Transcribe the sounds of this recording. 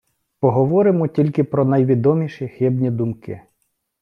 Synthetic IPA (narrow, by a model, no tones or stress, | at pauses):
pɔɦɔʋɔɾɪmɔtʲilʲkɪpɾɔnɐjʋʲid̪ɔmʲiʃixɪbnʲid̪ʊmkɪ̰